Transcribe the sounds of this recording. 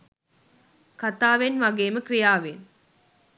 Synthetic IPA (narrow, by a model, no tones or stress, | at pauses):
kat̪aːʋenʋaɡeːməkrijaːʋen